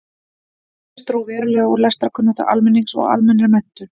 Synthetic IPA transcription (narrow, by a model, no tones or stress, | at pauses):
st̪ɾowvɛːɾɪlɛɣɔɣlɛst̪ɾakʰʏnːat̪a̰ʔa̰lmɛnːiŋsɔ̰ɣa̰lmɛnːɾmɛn̥t̪ʏ